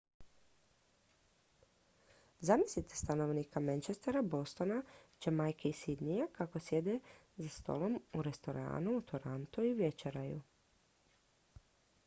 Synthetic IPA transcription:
zamisit̪est̪ano̞ʋnikamant͡ʃest̪eɾabo̞st̪o̞nat͡ʃemajkeisid̪nijakako̞sje̞d̪e | zast̪o̞̰lˠo̞muɾe̞st̪o̞ɾa̰ːnuut̪ʰoɾant̪uiuʋje̞t͡ʃeɾajṵ

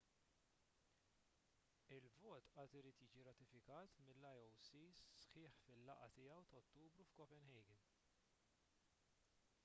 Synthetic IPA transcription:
ɪlvɔːt̪ʔɐːt̪ɪɾiːt̪jiːd͡ʒiɾɐt̪ɪfɪkɐːt̪mɪlːɐjɔwsiːsħɪːħfɪlːɐʔɐt̪ɪjɐwt̪ɐɔt̪ːuːbɾufkɔpɛnhɛjɡɪn

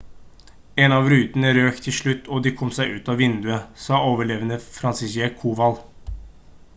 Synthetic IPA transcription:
eːnɑʋɾʉːt̪ənəɾøːkt̪ʰɪlʂɭʉt̪ːʰɔːd̪iːkʰɔmsæɪʔʉ̰ːt̪ɑːʋɪnd̪ʉəsɑːoːʋəɭeːʋənəfɾɑnsɪseːkʰuːʋɑl

